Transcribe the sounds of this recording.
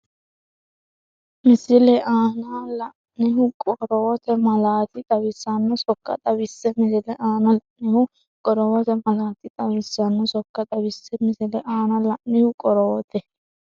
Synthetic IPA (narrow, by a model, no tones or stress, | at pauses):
mɪsɪlɛʔaːnalɐʔnɪɦʊkʼɔɾɔwɔt̪ɛmɐlaːt̪ɪt̪ʼɐwɪsːɐnːɔsɔkːɐ̰t̪ʼɐbɪsːɛmɪsɪlɛʔaːnɐlɐʔnɪhʊ | kʼɔɾɔwɔt̪ɛmɐlaːt̪ɪt̪ʼɐwɪsɐnːɔsɔkːɐt̪ʼɐbɪsːɛmɪsɪlɛʔaːnɐlɐʔnɪhʊkʼɔɾɔwɔt̪ɛ